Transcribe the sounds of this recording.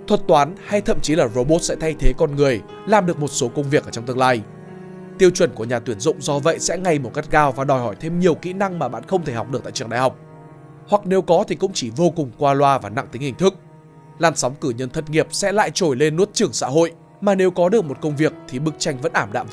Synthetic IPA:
t̪ʰwə˨˩t̚t̪waː˨˦nha˧jt̪ʰə̰˧˨mt͡ɕi˨˦laː˨˩zo˧ɓo˦˥t̚sɛ̰˧˥t̪ʰa˧jt̪ʰe˨˦kɔ˧nŋɨ˨˩əj | laː˨˩mɗɨ˨˩ək̚mo˨˩t̚so˨˦kə˧wŋ͡mvi˨˩ək̚ʔəː˧˩t͡ɕwŋ͡mt̪ɨ˧ə˧laː˧j | t̪i˧əwt͡ɕwə˧˩nku˧˩əɲaː˨˩t̪wi˧˩ənzʊ̰˧˨ŋ͡mzɔ˧və̰˧˨jsɛ̰˧˥ŋa˨˩jmo˨˩t̚ka˦˥k̚kaː˧wvaː˨˩ɗɔ˨˩jhɔ˧˩jt̪ʰe˧mɲi˨˩əwkḭ˧˥na˧ŋmaː˨˩ɓa̰ː˧˨nxə˧wŋ͡mt̪ʰe˧˩ha˨˩k͡p̚ɗɨ˨˩k̚t̪a̰ː˧˨˩ɨ˧˩ŋɗa̰ː˧˨˩hɦwk͡p̚ | hwa˨˩k̚ne˨˦wkɔ˨˦t̪ʰi˨˩kʊ̰˧˥ŋ͡mt͡ɕi˧˩vo˧kʊ˨˩ŋ͡mkwaː˧lwaː˧vaː˨˩na̰˧˨ŋt̪ï˨˦ŋhi˧˩ŋ̟t̪ʰɨ˦˥k̚ | laː˨˩nsɔ˨˦wŋ͡mkɨ˧˩ɲə˧nt̪ʰə˨˧˩t̚ŋi˨˩əp̚sɛ̰˧˥la̰ː˧˨jt͡ɕo˧˩jle˧nːu˦˥ət̚t͡ɕɨ˧˩əŋsa̰ː˧˥ɦo̰˧˨j | maː˨˩ne˨˦wkɔ˨˦ɗɨ˨˩ək̚mo˨˩t̚kə˧wŋ͡mvi˨˩ək̚t̪ʰi˨˩ɓɨ˦˥k̚t͡ɕa˧jŋ̟və̰˧˥nʔaː˧˩mɗa̰ː˧˨m

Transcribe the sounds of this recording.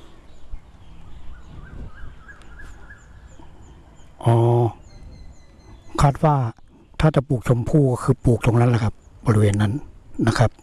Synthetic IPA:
ʔɔː˧˩ | kʰaː˧˥˩t̪̚waː˧˩ | t̪ʰaː˧˥˩t͡ɕa˨˧˦puː˨˩k̚t͡ɕʰo˧˦mpʰuː˥˩kɔː˧˩kʰɯː˧˦puː˨˩k̚t̪ʰoː˧˦ŋna˧˥˨la˧˩kʰa˧˥p̚bɔː˧˩i˦˧weː˧˨nːa˧˥˨nːa˧kʰa˦˥p̚

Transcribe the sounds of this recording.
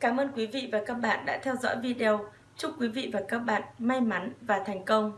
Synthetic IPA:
kaː˨˦mʔəː˧nkwi˨˦vḭ˧˨vaː˨˩kaː˦˥k̚ɓa̰ː˧˨nɗa̰ː˧˥t̪ʰɛ˧wzɔ̰˧˥jvi˧ɗe˧ə˧w | t͡ɕʊ˦˥k͡p̚kwi˨˦vḭ˧˨vaː˨˩kaː˦˥k̚ɓa̰ː˧˨nma˧jma˨˦nvaː˨˩t̪ʰɛ˨˩jŋ̟kə˧wŋ͡m

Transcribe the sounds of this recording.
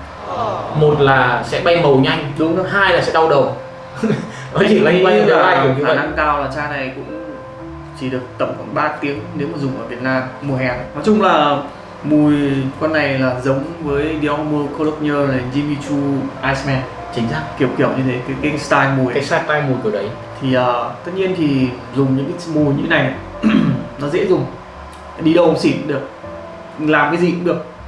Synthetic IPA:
ʔə˨˩mo˨˩t̚laː˨˩sɛ̰˧˥ɓa˧jmə˨˩wɲa˧jŋ̟ɗʊ˨˦ŋ͡mə˨˦ɦaː˧jlaː˨˩sɛ̰˧˥ɗa˧wɗə˨˩w | nɔ˨˦t͡ɕi˧˨a˨˧˦a˧˨aː˨˦aː˧˩˨xaː˧˩na˧ŋkaː˧wlaː˨˩t͡ɕaː˧na˨˩jkʊ̰˧˥ŋ͡m | t͡ɕi˧˩ɗɨ˨˩ək̚t̪ə˧˩mxwaː˧˩nɓaː˧˩t̪i˨˦əŋne˨˦mə˨˩zʊ˨˩ŋ͡mʔəː˧˩vi˨˩ət̚naː˧mːu˨˩əɦɛ˨˩nnɔ˨˩˦t͡ɕʊ˧ŋ͡mlaː˨˩ | mu˨˩jkwa˧nːa˨˩jlaː˨˩zə˨˦wŋ͡mvəː˨˦jɗi˧ɔ˧mə˧ko˧lə˦˥k̚ɲəː˧le˨˩zi˧mi˧t͡ɕu˧ʔaː˧smɛ˧n | t͡ɕï˨˦ŋ̟saː˦˥k̚ki˧˩əwki˧˩əwɲɨ˧t̪ʰe˨˦kaː˨˦jki˧˦ŋst̪aː˧jmu˨˩ja˨˦saː˦˥k̚t̪aː˧jmu˨˩jkɨ˧˩ɗə˨˦j | t̪ʰi˨˩ʔəː˨˩t̪ə˦˥t̪̚ɲi˧ənt̪ʰi˨˩ | zʊ˨˩ŋ͡mɲɨ̰˧˥kaː˨˦mu˨˩ɲɨ˧t̪ʰe˦na˨˩j | nɔ˨˦zɛ̰˧˥zʊ˨˩ŋ͡m | ɗi˧ɗə˨˩wsi˧˩ɗɨ˨˩ək̚ | laː˨˩mkaː˨˦jzi˨˩kŋ͡mɗɨ˨˩ək̚

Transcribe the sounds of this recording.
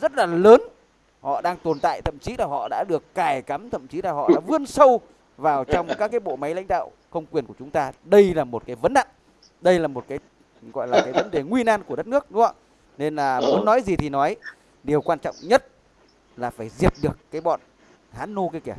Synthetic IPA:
zə˦˥t̚laː˨˩ləː˨˦n | hɔ̰˧˨ɗaː˧ŋt̪o˨˩nt̪a̰ː˧˨jt̪ʰə˧˨mt͡ɕi˨˦laː˨˩hɔ̰˧˨ɗa̰ː˧˥ɗɨ˨˩əkːaː˧˩jka˨˦mt̪ʰə̰˧˨mt͡ɕi˨˦laː˨˩ɦɔ̰˧˨ɗa̰ː˧˥vɨ˧ənsə˧w | vaː˨˩wt͡ɕɔ˧wŋ͡mkaː˦˥kːaː˨˦jɓo̰˧˨ma˨˦jla̰˧˥jŋ̟ɗa̰ː˧˨w | kə˧wŋ͡mkwi˨˩ənku˧˩ət͡ɕʊ˨˦ŋ͡mt̪aː˧ɗə˧jlaː˨˩mo˨˩t̚kaː˨˦jvə˨˦nɗa̰ː˧˨n | ɗə˧jlaː˨˩mo˨˩t̚kaː˨˦j | ɣɔ̰˧˨jlaː˨˩kaː˨˦jvə˨˦nɗe˨˩ŋwi˧naː˧nku˧˩əɗə˦˥t̚nɨ˦˥ək̚ɗʊ˨˦ŋ͡mɔ˧ | ne˧nlaː˨˩mu˨˦ənːɔ˨˦jzi˨˩t̪ʰi˨˩nɔ˨˦j | ɗe˨˩wkwaː˧nt͡ɕɔ̰˧˨wŋ͡mɲə˦˥t̚ | laː˨˩faː˧˩jzi˨˩ət̚ɗɨ˨˩əkːaː˨˦jɓɔ̰˧˨n | haː˨˦nːo˧ki˧˦kɛ˧˩

